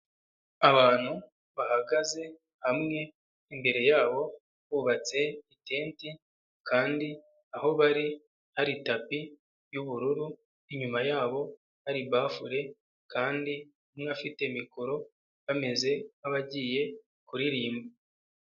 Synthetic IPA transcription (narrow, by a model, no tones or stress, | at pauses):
aβaːn̥hu | βahaɡaze̞ | hamŋe̞ː | mbe̞ɾe̞jaːβo̞ | βuːβat͡se̞ite̞ːnti | kaːndi | aho̞βaɾi | haɾitapi | juβuɾuɾu | iɲumajaːβo̞ | haɾiβaːfuɾe̞ | kaːndi | umŋeafite̞mikoɾo̞ | βame̞ze̞aβaɟiːje̞ | kuɾiɾiːmba